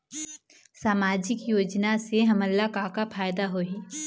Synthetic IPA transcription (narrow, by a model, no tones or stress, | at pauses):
saːmaːd͡ʒɪkjoːd͡ʒnaseɦɐməlːakaːkapʰaːjd̪aɦoːiː